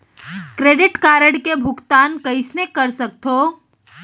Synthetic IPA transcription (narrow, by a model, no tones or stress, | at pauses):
kɾeːɖɪʈkaːɾəɽkebʱʊkt̪aːnkəɪsnekəɾsək̚t̪ʰo